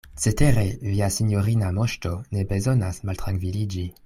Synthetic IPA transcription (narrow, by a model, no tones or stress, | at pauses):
t͡seteɾeviasinjoɾinamoʃtone̞be̞zo̞nasmaltʁaŋkvilid͡ʒi